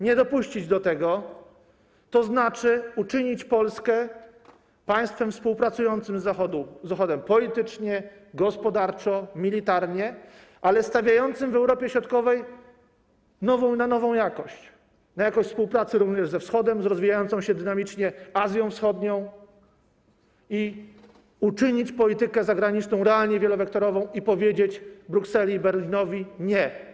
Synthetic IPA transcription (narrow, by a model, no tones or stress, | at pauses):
ɲɛd̪ɔpuɕt͡ɕid͡ʑd̪ɔt̪ɛɡɔ | t̪ɔznat͡ʂɘut͡ʂɘɲit͡ɕpɔlskɛ | paj̃st̪fɛmfspuwpɾat̪sujɔnt̪sɘmzaɔd̪uzaxɔd̪ɛmpɔlʲit̪ɘt͡ʂɲɛ | ɡɔspɔd̪aɾt͡ʂɔmʲilʲit̪aɾɲɛ | ʔalɛst̪avʲjajɔnt̪sɘmvɛwɾɔpʲjɛɕɾɔt̪kɔvɛj | nɔvɔ̃w̃nanɔvɔ̃w̃jakɔɕt͡ɕ | najakɔ̃ɕt̪spuwpɾat̪sɘɾuvɲɛʐzɛfsxɔd̪ɛmzɾɔzvʲijajɔnt̪sɔ̃w̃ɕɛd̪ɘnamʲit͡ʂɲɛazʲjɔ̃w̃fsxɔd̪ɲɔ̃w̃ | i | ut͡ʂɘɲit͡ɕpɔlʲit̪ɘkɛzaɡɾaɲit͡ʂnɔ̃w̃ɾɛalɲɛvʲjɛlɔvɛk̚t̪ɔɾɔvɔ̃w̃ipɔvʲjed͡ʑet͡ɕbɾuksɛlʲibɛɾlʲinɔvʲiɲɛ